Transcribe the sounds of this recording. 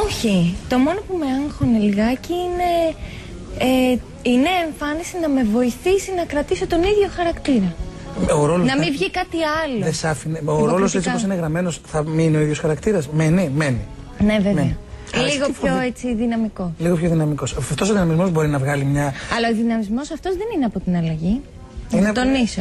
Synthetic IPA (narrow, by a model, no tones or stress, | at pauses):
oçit̪o̞mo̞no̞pume̞ɐŋxoneliɣɐciine̞ | e | ine̞ːɱfɐnisinɐme̞vo̞iθisinɐkɾɐt̪iso̞t̪o̞niðʝo̞xɐɾɐkt̪iɾɐ | oɾo̞lonɐmmivʝikɐt̪iɐloðesɐfineoɾoloset͡ssipos̬ineɣɾɐme̞nosθɐminio̞iðjo̞sxɐɾɐkt̪iɾɐsmenimeni | ne̞ve̞eɐliɣopçoet͡siðinɐmiko̞sliɣopçoðinɐmiko̞sɐft̪o̞s̬oðinɐmizmo̞zbo̞ɾinɐvɣɐlimɲɐɐlɐoðinɐmizmo̞sɐft̪o̞zðe̞nineɐpo̞t̪inɐlɐʝi | inet̪o̞niso